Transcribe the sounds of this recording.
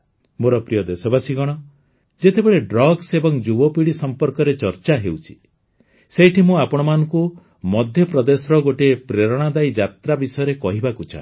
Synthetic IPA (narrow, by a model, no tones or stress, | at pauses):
moɾɔpɾijɔd̪esɔbasiɡɔɽ̃ɔ | d͡ʒet̪ebeɭeɖɾɔɡsebɔŋd͡ʒubɔpiɽisɔmpɔɾkɔɾet͡ʃɔɾt͡ʃaɦewt͡ʃʰi̥ | sejʈʰimũapɔɽ̃ɔmanɔŋku | mɔd̪ʱjɔpɾɔd̪esɾɔɡoʈepɾeɾɔɽ̃ad̪ajd͡ʒat̪ɾabisɔjɔɾekɔɦibakut͡ʃʰa̰